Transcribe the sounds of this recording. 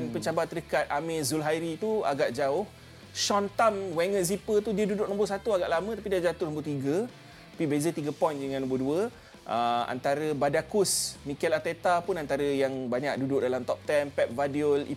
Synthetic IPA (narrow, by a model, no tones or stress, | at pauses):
npəɲt͡ʃabat̪ːədəkat̪̚amẽzulɦajɾit̪ua̰ɡaʔd͡ʒaʊh | ʃɔnt̪amwɛŋət̪zipət̪udiədudʊk̚nɔ̃mbʊrs̬at̪uaɡaʔlamə̃t̪apidiad͡ʒat̪unɔ̃mbʊt̪iɡə | tapibezət̪iɡəpɔjndəŋãnːɔ̃mbʊduə | ʔəa̰nt̪aɾəbadakusmikɛlat̪et̪apʊnant̪aɾəjaŋbaɲak̚dudʊk̚dalamt̪ɔp̚t̪ɛmpɛp̚vadiolḭ